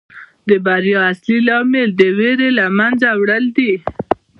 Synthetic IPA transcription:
d̪əbaɾjɑaslilɑmeld̪əweɾelamanzawɽəld̪i

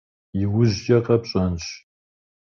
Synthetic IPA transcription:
iwʊʑd͡ʒʼɐqʼɐpɕʼɐnɕ

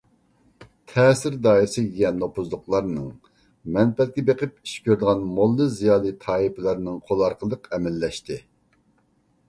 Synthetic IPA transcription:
t̪ʰɛːsɪɾd̪ɑːiɾɨsɪkʲiɡʲɛnːopʰuzlˠʊqlˠɑɾnɨŋ | mɛnpɛt̪̚ɡʲɛbeqɨp̚i̥ʃkʲøɾd̪ɨʁɑnmolˠːɨzijɑːlˠɨt̪ʰɑːipʰɪlˠæɾnɨŋqʰolˠɑɾqəlˠəqʰɛmɛlːɛʃt̪ɪ

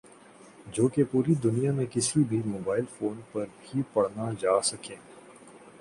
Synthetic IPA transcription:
d͡ʒoːkepuːɾid̪ʊnijamẽkɪsibʱimoːbaːɪlfoːnpɐɾbʱipɐɽnad͡ʒaːsɐkẽː

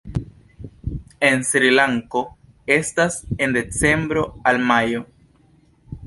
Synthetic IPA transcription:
e̞nsɾilaŋko̞ | e̞stase̞nde̞t͡se̞mbɾo̞almajo̞

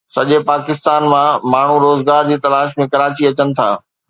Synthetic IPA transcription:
sɐʄepaːkɪst̪aːnmãmaːɳ̤uɾoːzɡaːɾd͡ʑiːt̪ɐlaːʃmẽkɐɾaːt͡ɕiɐt͡ɕənɪ̆t̪ʰa̰ː

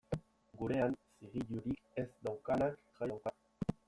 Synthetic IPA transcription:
ɡuɾe̞ansiɣiʎuɾikezd̪awkanak | ʝawka

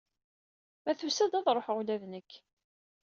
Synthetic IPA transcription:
mæθusæd̪æðˤɾˤoħʁulæðnəkː

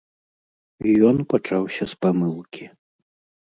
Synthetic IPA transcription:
jɔnpat͡ʂawsʲɐspamɨlˠkʲi

